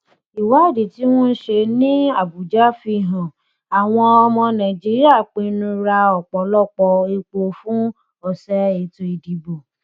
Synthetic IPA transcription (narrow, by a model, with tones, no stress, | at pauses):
i˨wa˨˦˨di˨ti˨˦w̃ɔ̃˦n̩˦ʃe˧nĩ˦a˦˨bu˨d͡ʒa˦˨fi˧˨ɦã˨ | a˨w̃ɔ̃˧ɔ˧mɔ̃˧nã˨d͡ʒi˨˦ɾi˦a˦˨k͡pe˧˦nũ˧ɾa˧ɔ˨k͡pɔ˨˦lɔ˦˨k͡pɔ˧e˧k͡po˧fũ˦ | ɔ˧˨sɛ˦e˨to˧i˧˨di˨˦bo˨